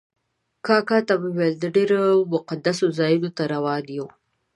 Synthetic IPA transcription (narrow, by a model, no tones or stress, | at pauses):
kɑkɑt̪aweweld̪əɖeɾomʊqad̪asozɑjunot̪aɾawɑd̪jo